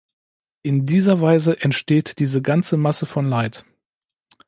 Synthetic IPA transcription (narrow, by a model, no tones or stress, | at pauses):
ʔɪndiːzɐvaɪzəʔɛntʃteːtd̥iːzəɡant͡səmasəfɔnlaɪt